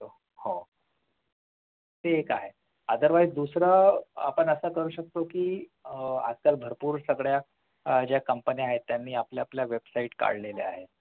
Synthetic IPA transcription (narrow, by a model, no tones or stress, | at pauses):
o | ho | t̪eːka̰ɦe | ad̪əɾʋajd͡ʑd̪usɾaa̰pəɳəsakəɾuːɕək̚t̪okiː | a̰skalbʱəɾpuːɾsəɡɭja | d͡ʑjakəmpəniaɦet̪ːjanːiːapljapljaʋebsaiʈka̰ɽleleaɦe